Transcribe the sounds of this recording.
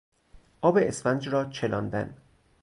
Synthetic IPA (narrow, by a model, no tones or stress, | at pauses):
ʔɒːbeʔesfænd͡ʒɾɒːt͡ʃʰelɒ̰ːnd̪æ̰n